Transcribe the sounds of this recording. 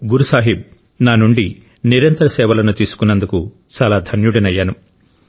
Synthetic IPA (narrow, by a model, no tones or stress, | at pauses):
ɡuɾusaːɦib̚ | naːnuɳɖi | niɾɐnt̪ɐɾɐsɛːʋɐlɐnut̪iːsu̥kunːɐnd̪uku | t͡ʃaːlaːd̪ʱɐnjuɽɐnɐjːaːnu